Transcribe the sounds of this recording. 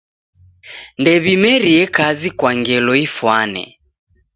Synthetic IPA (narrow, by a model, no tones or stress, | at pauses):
ndɛβimɛɾiɛkazikwaŋɡɛlɔifwanɛ̰